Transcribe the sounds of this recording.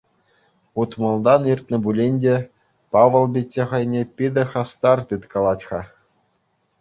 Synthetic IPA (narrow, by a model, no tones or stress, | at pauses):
ut̪mɑ̆lˠd̪ɑnirt̪ʲnɤ̆bulʲenʲdʲe | pɑʋɤ̆lˠbʲitʲːĕχɤ̆jnʲepʲid̪ʲɘ̆χɑst̪ɑrt̪ɯt̪kɑlˠɑtʲχɑ